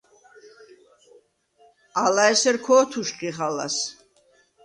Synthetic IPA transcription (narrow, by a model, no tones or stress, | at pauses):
alaɛsɛɾkʰɔːt̪ʰuʃqʼiχala̰s